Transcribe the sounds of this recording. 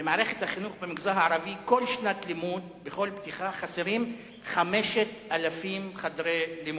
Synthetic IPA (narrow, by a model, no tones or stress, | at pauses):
bemaːʁeχet̪haχinuχbemiɡzaɦaaɾaviko̞lʃnat̪limud̪beχo̞lptiχaχaseʁim | χameʃet̪alafimχad̪ʁelimu